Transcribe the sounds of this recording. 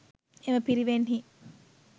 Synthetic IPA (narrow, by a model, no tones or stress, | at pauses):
emɐpiɾiʋenhi